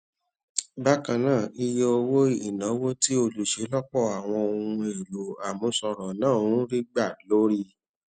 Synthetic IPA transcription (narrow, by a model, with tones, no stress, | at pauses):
ba˦kã˧nãː˦˨i˧je˦o˧wo˦i˦˨nã˨˦wo˦ti˦o˧lu˨ʃe˨˦lɔ˦k͡pɔ˦˨a˨w̃ɔ̃˧o˧hũ˧e˨lo˨a˨mũ˧sɔ˧ɾɔ˨nãː˦˨o˧ũ˦ɾi˦ɡ͡ba˦˨lo˨˦ɾi˦